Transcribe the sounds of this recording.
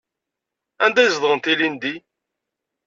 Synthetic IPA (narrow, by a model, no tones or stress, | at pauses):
ænd̪æjzðˤʁənt̪ilind̪i